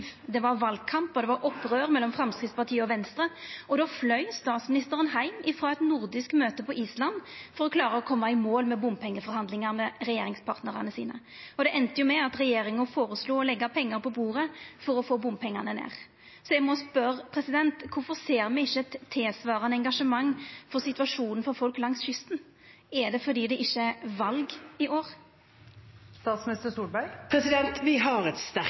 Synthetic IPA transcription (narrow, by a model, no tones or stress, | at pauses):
d̪ɛʋɑʁʋɑlkʰɑmpɔd̪ɛʋɑɾɔpːɾøːɾmɛlːɔmfɾɛmskɾɪd̪spɑʁt̪ʰiːəɔʋɛnst̪ɾəɔd̪oːflœʏst̪ɑːt̪smɪnɪst̪əʁənhæɪmɪfʁoːɛt̪nʊɾd̪ɪskmøːt̪əpɔʔiːslɑnfɔɾɔkʰlɑːʁəɔkʰɔmːɑɪmoːlmɛbʊmpʰɛŋːəfɔɾhɑnd̪lɪŋɑɾmɛɾɛjeːɾɪŋspʰɑʁt̪nəʁɑnəsiːnə̰ | ɔd̪ɛʔɛnt̪əjʊmɛɑt̪ɾɛjeːɾɪŋənfoːɾəsluːɔlɛɡːɑpʰɛŋːɑɾpɔbuːɾəfɔɾɔfoːbʊmpʰɛŋːɑnənḛːʁ | sɔɛɡmɔspœɾpʰɾɛsɪd̪ɛnt̪kʰʊfɔʁseːɾmɛɪçːəɛt̪ʰːeːsʋɑːʁɑnəɛŋɡɑʂəmɑŋːfɔɾsɪt̪ʉɑʂuːnən̩fɔɾfɔlklɑŋsçʏst̪n̩ | ɛd̪ɛfɔɾd̪iːd̪ɛʔɪçːəɛʋɑlɡɪʔoːɾ | st̪ɑːt̪smnɪst̪əsuːlbæɡpʰɾɛsɪd̪ɛnt̪ʋɪɦɑɾɛt̪st̪æ